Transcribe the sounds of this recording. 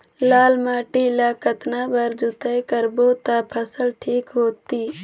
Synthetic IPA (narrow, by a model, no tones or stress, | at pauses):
laːlmaːʈilaːkət̪naːbəɾd͡ʒʊt̪əjkəɾboːt̪apʰəsəlʈʰiːkɦoːt̪iː